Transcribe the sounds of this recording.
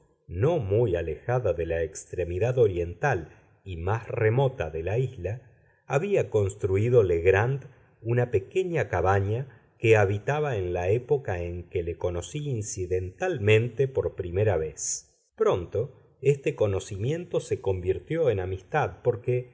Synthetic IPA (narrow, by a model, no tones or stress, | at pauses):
no̞mujale̞xaðaðe̞laekst̪ɾe̞miðaðo̞ɾje̞nt̪al | imasremo̞t̪aðe̞laizlaː | βiako̞nst̪ɾuiðoleɣɾand̪ | unape̞ke̞ɲakaβaɲa | keaβit̪aβaenlaepo̞kaeŋkeleko̞no̞siinsiðent̪almẽ̞nt̪epo̞ɾpɾime̞ɾaβes | pɾo̞nt̪o̞ | est̪eko̞no̞simjẽ̞nt̪o̞se̞ko̞mbiɾt̪jo̞enamist̪aðpo̞ɾke